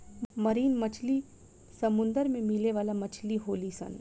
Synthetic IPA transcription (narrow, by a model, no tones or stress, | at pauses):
mɐɾiːnmɐt͡ʃʰli | sɐmʊ̃nd̪əɾmẽmɪleʋaːlamɐt͡ʃʰliɦoːlisɐ̰̃n